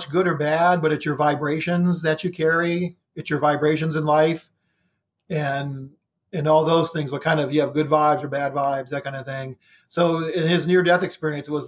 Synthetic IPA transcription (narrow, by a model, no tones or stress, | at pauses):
t͡ʃɡ̥ʊɾə˞bæd̚bʌɾɨtsjə˞vaɪbɹeɪʃɨ̃nzðɨt͡ʃɨkʰɛɹi | ɨtsjə˞vaɪbɹeɪʃ̬ɨ̃nzɨ̃nlaɪf | ɨ̃n | ɨ̃nɔlˠðoʊz̥θɪ̃ŋzwəlˠkʰãɪ̃ndʌvjɨːvɡʊdvaɪbzə˞bædvaɪbzðɨt̚kʰãɪ̃ndəθɪ̃ŋ | soʊɪ̃nɪznɪɹdɛθɨkspɪɹiɨ̃nsɨt̚wʌz